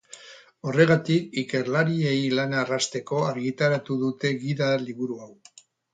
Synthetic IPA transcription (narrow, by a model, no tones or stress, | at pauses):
o̞re̞ɣ̞at̪ikike̞ɾlaɾie̞jlanarast̪e̞ko̞aɾɣit̪aɾat̪uðut̪e̞ɣiðaliβuɾuaw